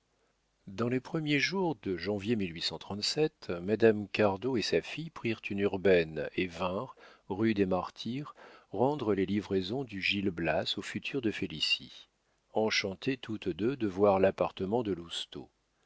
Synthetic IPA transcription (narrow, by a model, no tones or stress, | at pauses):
d̪ɑ̃lepχəmjeʒuʁd̪əʒɑ̃vjemilɥisɑ̃t̪χɑ̃t̪sɛt̪mad̪amkaʁd̪oesafijpχiʁt̪ʰynyʁbɛnevɛ̃ʁʁyd̪emaʁt̪ʰiʁʁɑ̃d̪ʁəlelivʁezɔ̃d̪yʒilblasofyt̪ʰyʁd̪əfelisḭ | ɑ̃ʃɑ̃t̪et̪ʰut̪d̪ød̪əvwaʁlapaʁt̪əmɑ̃d̪əlust̪o̰